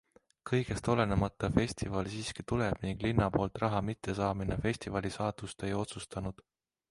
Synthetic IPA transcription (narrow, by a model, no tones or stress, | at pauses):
kɤjɡ̥e̞st̪o̞le̞nemɑt̪ːˑɑfe̞sʲt̪ivɑlsiːskit̪uleb̥niŋɡ̥linːɑpo̞ːlt̪ˑrɑɦɑmit̪ʰːˑe̞sɑːminefe̞sʲt̪ivɑlisɑːt̪ust̪e̞jo̞t̪sust̪ɑnud̪̥